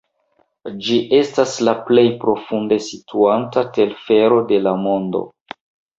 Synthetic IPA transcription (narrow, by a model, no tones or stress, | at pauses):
d͡ʒiʔe̞staslaple̞jpɾo̞funde̞sitʰuantate̞lfe̞ɾo̞de̞lamo̞ndo̞̰